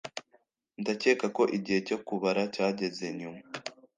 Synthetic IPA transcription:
ndace̞ːkako̞ʔiɟihe̞co̞kuβaɾacaːɟe̞ze̞ɲuma

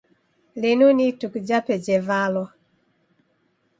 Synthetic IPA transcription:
lenunitukd͡ʒapɛd͡ʒɛvalɔ

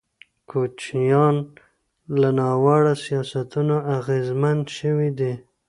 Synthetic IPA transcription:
kʰot͡ʃijɑn | lanɑwaɽasijɑsat̪unoaɣezmand̪ʃəwid̪i

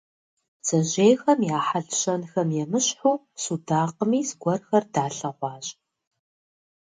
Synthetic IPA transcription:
z̥ɐʑejxɐmjaːħaɮɕɐnxɐmjɛmɨɕħuː | sudaːqəmiːzɡʷɔrxɐrdaːɬɐʁʷɑːɕ

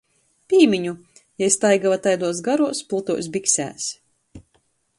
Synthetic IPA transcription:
pʲiːmʲiɲu | jajst̪ajɡavat̪ajd̪uɔsɡaɾuɔspulˠt̪uɔjs̬biksʲæ̰ːs

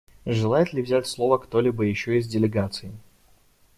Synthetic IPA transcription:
ʐɨlˠajɪt̪lʲɪvzʲætʲslˠo̞vəkt̪o̞lʲibəjɪɕːoɪzdʲɪlʲɪɡat̪sɨɪ

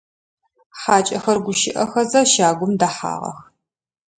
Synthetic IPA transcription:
ħaːt͡ʃʼɐxɐrɡʷʊʃɪʔɐxɐzɐʃaːɡʷʊmdaːħa̰ːʁɐ̰x

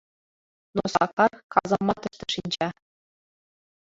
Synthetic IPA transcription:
nosɑ̰kɑrkɑzɑmːɑt̪ɤ̆ʂʃt̪ɤ̆ʂinʲd͡ʑæ

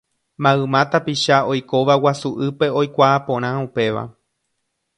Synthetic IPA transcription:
mãɨmãt̪apiʃao̞jko̞ʋawasuʔɨpe̞o̞jkʷaːpõ̞ɾ̃ãupe̞ʋa̰

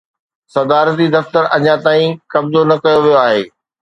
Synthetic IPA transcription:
sɐd̪aːɾət̪id̪ɐft̪əɾɐɲãt̪aːĩkɐbzonɐkɐjoʋijoaːɦeː

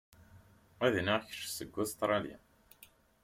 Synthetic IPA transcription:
æðniʁçə̥ʃsəɡʷːæst̪ɾˤɑljæ̰n

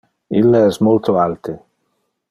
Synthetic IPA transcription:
ilːaɛsmolt̪oalt̪e

